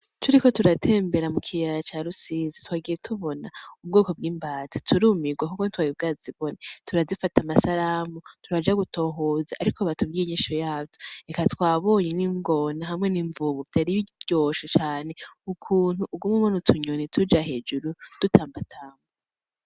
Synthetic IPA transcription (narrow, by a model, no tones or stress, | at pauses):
tʰuɾiko̞tuɾatʰe̞ːmbe̞ɾamukʰijaɾat͡ʃaɾusiːzitwaːɡijetʰuβo̞nauβ̚ɡoːko̞b̚ɡiːmbaːti̥tʰuɾuːmiɡwakukontwaɾib̚ɡaːziβo̞netʰuɾazifatamasaɾamutʰuɾad͡ʒaɡuto̞ːɦoːzaʔaɾikʰoβatuβɡiɲiʃojaːbjoekatwaːβo̞ːɲeniːŋɡo̞naɦamŋe̞niːɱvuβuβitʰaɾiɟoːʃot͡ʃaːne̞ukʰuːn̥huʔːb̚ɡumŋumonutʰuɲonitʰud͡ʒaɦe̞ːd͡ʒuɾud̥utʰaːmbatʰaːŋo